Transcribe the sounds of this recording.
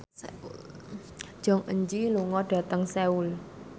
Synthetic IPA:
d̥ʒ̥ɔ̤ŋʔəɲd͡ʒiluŋɔɖ̥ä̤t̪əŋseul

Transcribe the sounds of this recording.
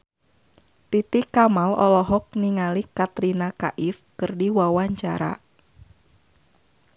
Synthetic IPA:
t̪it̪ikamalɔ̰lɔɦɔk̚niŋalikat̪ɾinakaʔɪfkərdiwawaɲt͡ʃa̰ɾa̰

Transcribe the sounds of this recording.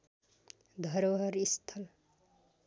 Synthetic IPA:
d̪ʱʌɾɦʌɾist̪ʰʌl

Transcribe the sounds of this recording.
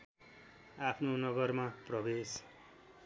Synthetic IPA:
apʰnonʌɡʌrmaprʌbes

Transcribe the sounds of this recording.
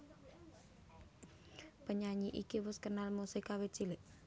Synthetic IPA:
pəɲaɲiʔikiwʊskənalmusikawe̥t͡ʃilɪʔ

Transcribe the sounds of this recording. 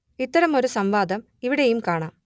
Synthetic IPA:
it̪ːɐɾɐmo̞ɾusɐmʋaːd̪ɐm | iʋiɽejumkaːɳaːm

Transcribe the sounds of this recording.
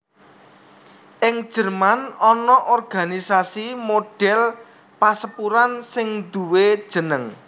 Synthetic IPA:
ʔɪŋd̥ʒ̥ərmanɔnɔʔɔrɡ̥a̤nisasimoɖ̥ɛl | pasəpuɾansɪŋd̪uwe̥ʒ̥ə̤nəŋ

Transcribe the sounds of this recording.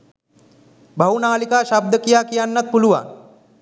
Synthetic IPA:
bʱɐwnaːlikaːʃab̚d̪əkijaːkijanːat̪̚puluʋa̰n

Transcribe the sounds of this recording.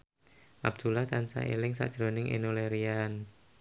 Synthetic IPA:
ʔab̥̚d̪̥ulaht̪ansa̰ʔḛlɪŋsa̰d̥ʒ̥ɾonɪŋʔḛnoleɾian

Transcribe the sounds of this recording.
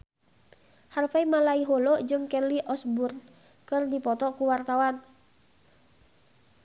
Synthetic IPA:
harfaimalaiɦɔlɔd͡ʒɨŋkɛliʔɔsburn | kɨrdipɔt̪ɔkuwart̪awan

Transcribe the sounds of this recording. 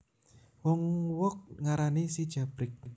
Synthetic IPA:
wɔŋwɔk̚ŋaɾanisid̥ʒ̥a̤b̥ɾɪk̚

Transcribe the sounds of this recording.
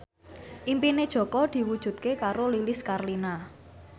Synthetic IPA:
ʔimpined̥ʒ̥ɔ̤kɔd̪̥i̤wud̥ʒ̥ṳt̪̚kekaɾolilɪskarlina

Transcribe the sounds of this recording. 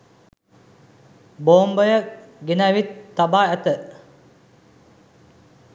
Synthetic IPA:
boːmbəjəkɡenaʋit̪ːabaːæt̪ə

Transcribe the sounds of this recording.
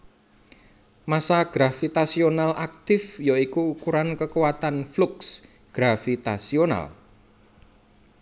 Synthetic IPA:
masaɡ̥ɾafit̪asionalak̚t̪ɪfjoikuːkuɾankəkuwat̪anfluks | ɡ̥ɾafit̪a̰siona̰l

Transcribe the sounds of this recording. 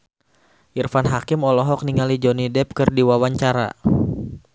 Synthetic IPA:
ʔirfanɦakɪmɔlɔɦɔk̚niŋalid͡ʒɔnidɛp̚kɨrdiwawaɲt͡ʃaɾa̰

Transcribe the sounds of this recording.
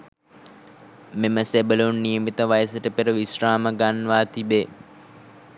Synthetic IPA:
meməsebəluunːijəmit̪əʋajəsəʈəpeɾəʋisraːməɡanʋaːt̪ibe

